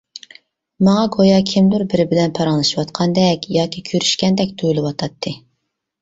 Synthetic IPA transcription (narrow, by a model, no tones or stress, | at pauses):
mɑŋɑɡojɑkʲʰɪmd̪uɾbɪɾɪbɪlɛnpʰɑɾɑŋlˠɨʃiwɑt̪qʰɑnd̪ɛkʲjɑːkʲikʲʰøɾyʃkʲɛnd̪ɛkʲt̪ʰølɪwɑt̪ʰɑt̪ʰːɨ